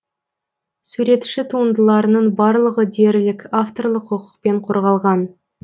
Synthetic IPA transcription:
sʉɾe̞t̪ʃɪt̪ʰuənd̪əlˠɑɾənəɴbɑɾlˠəʁəd̪e̞ɾlɪkʲaft̪o̞rlˠəqːʊqə̥q̚pe̞ɴqʰo̞ɾʁɑlˠʁɑn

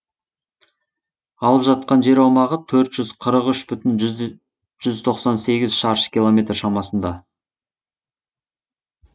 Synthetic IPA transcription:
ɑlˠəpʒɑt̪̚qɑnʒe̞ɾɑwmɑʁət̪ʰɵɾt̪ʒ̥ʏz̥qʰəɾəqʏʃbʏt̪ɪn | ʒ̥ʏzt̪ʰo̞qsɑnse̞ɡʲɪzʃɑɾʃə̥kʲilˠo̞mʲe̞t̪rʃɑmɑsənd̪ɑ

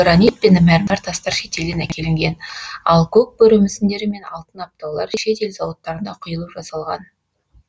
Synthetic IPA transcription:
ɾanit̪̚penmæɾmɑɾt̪ʰɑst̪ɑɾʃe̞t̪e̞ld̪enækʲʰe̞lɪŋɡʲe̞nɑlˠkʰɵk̚bɵɾɵmɪsɪnd̪e̞ɾɪme̞nɑ̰lˠt̪ənɑp̚t̪ɑwlˠɑɾʃe̞t̪e̞lzɑwɑt̪ːɑɾənd̪ɑqʰʊjəlˠuʒɑsɑlˠʁɑ̰n

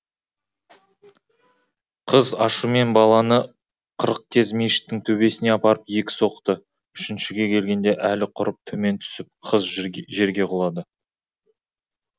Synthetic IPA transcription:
qʰəzɑʃume̞nbɑlˠɑnə | qʰəɾəq̚kʲʰe̞zmeʃɪ̥t̚t̪ːɪŋt̪ʰɵbe̞sɪne̞ɑpɑɾəpje̞kʲɪ̥so̞qt̪ə | ʏʃɪnʃɪɡʲe̞kʲʰe̞lɡʲe̞nd̪e̞ʔælɪqʰʊɾəp̚t̪ʰɵme̞nt̪ʰʏ̥sɪp̚qʰəzʒe̞ɾɡʲe̞qʰolˠɑd̪ə

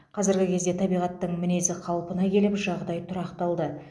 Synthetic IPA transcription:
qʰɑzɪɾɡʲɪkʲʰe̞zd̪e̞t̪ʰɑbijʁɑt̪ːəɴmɪne̞sɪqʰɑlˠpənɑkʲʰe̞lɪpʒɑʁd̪ɑjt̪ʰʊɾɑqt̪ɑlˠd̪ə

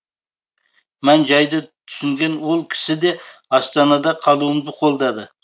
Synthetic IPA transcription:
mænd͡ʒɑjd̪ɑt̪ʰʏ̥sɪŋɡʲe̞nwo̞lˠkʲʰɪ̥sɪd̪e̞ɑst̪ɑnɑd̪ɑqʰɑlˠuəmd̪ɪqʰo̞lˠd̪ɑd̪ə

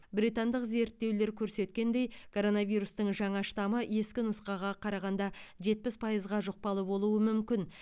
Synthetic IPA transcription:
bɾijt̪ɑnd̪əqze̞ɾt̪ːe̞wle̞ɾkʲʰɵɾse̞t̪kʲe̞nd̪e̞jkʰo̞ɾo̞navijɾust̪əɴʒɑɴɑʃt̪ɑməje̞skʲɪnʊsqɑʁɑqʰɑɾɑʁɑnd̪ɑʒe̞t̪̚pɪspʰɑjəzʁɑʒoq̚pɑlˠəbo̞lˠuəmʏmkʲɪn

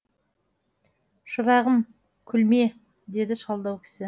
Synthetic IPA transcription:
ʃəɾɑʁəm | kʲʰʏlme̞ | d̪e̞d̪ɪʃɑlˠd̪ɑwkʲʰɪ̥sɪ

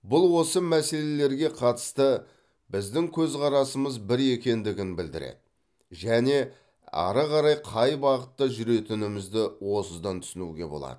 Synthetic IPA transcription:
bʊlˠwo̞səmæse̞le̞le̞ɾɡʲe̞qʰɑt̪ə̥st̪ə | bɪzd̪ɪŋkʲʰɵzʁɑɾɑsəməzbɪɾe̞kʲe̞nd̪ɪɡʲɪnbɪld̪ɪ̰ɾḛd̪ɪ | ʒæne̞ | ɑ̰ɾəʁɑɾɑjqʰɑjbɑqət̪ːəʒʏɾe̞t̪ɪnɪmɪzd̪ɪwo̞səzd̪ɑnt̪ʰʏsɪnṵɡʲe̞̰bolˠɑ̰d̪̥ə

